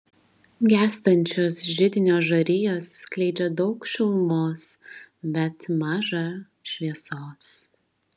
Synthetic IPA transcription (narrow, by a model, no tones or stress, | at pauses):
ɡʲæːst̪ɐnʲt͡ʃʲoːsʒʲɪd̪ʲɪnʲoːʒɐɾʲɪjoːsːklʲɛɪd͡ʒʲɛd̪ɒʊkʃʲɪlˠmoːsbʲɛt̪mɑːʒɑ | ʃʲʋʲiɛsoːs